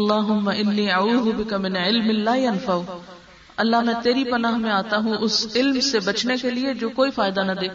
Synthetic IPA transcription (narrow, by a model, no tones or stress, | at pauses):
lːaːɦʊmːɐʔɪnːiːauːðʊbɪkɐmɪnʕɪlmɪlaːjɐnfau | ɐlːaɦmɛ̃ːt̪eːɾipɐnaːɦmẽaːt̪aɦũʔʊsɪlmsebɐt͡ʃnekelied͡ʒoːkoːifaːjd̪anɐd̪eː